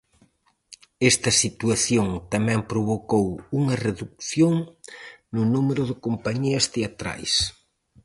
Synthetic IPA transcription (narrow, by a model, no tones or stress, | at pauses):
ɛst̪ɐsit̪uaθjoŋt̪ɐmɛ̃mpɾoβokowuŋɐreðuk̚θjoŋ | nʊnumeɾʊðɪkompaɲiɐst̪eat̪ɾa̰js